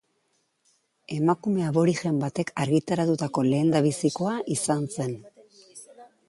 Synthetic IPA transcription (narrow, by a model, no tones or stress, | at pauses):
e̞makume̞aβo̞ɾiʝe̞mbat̪e̞kʰaɾɣit̪aɾat̪ut̪ako̞le̞ːnd̪aβisiko̞aʔisanse̞n